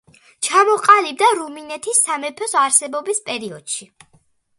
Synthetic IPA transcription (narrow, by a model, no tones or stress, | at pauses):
t͡ʃʰamɔqʼalib̚d̪aɾuminɛt̪ʰisːamɛpʰɔsaɾsɛbɔbispʼɛɾiɔd̪̥ʃi